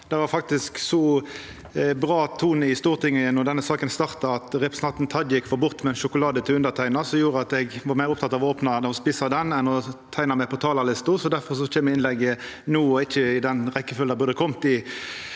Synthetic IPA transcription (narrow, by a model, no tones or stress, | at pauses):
d̪ɛʋɑɾfɑk̚t̪ɪsksɔ | bʁɑːt̪ʰuːnəɪst̪uːʁt̪ʰɪŋːəənɔd̪ɛnːəsɑːkənst̪ɑʁt̪ɑɑt̪ʁɛpʁɛsnɑnt̪n̩t̪ʰɑd̪jɪkːfɔɾbʊʁt̪mɛɛnʃʊkʊlɑːd̪ət̪ʰɪlʉnd̪əʁt̪ʰæɪnɑsɔjuːʁəɑt̪ɛɡʋɑɾmæɪʁʊp̚t̪ʰɑt̪ɑʋoːpnɑnɔspɪːsɑd̪ɛnɛnɔt̪ʰæɪnɑmɛpʰɔt̪ʰɑːlɑlɪst̪ʊsɔd̪æɾfɔʁsɔc͡çɛːmːəɪnlɛɡːənuːɔɪçːəɪd̪ɛnʁɛkːəfʏld̪ɑbʉʁd̪əkʰɔmt̪ɪ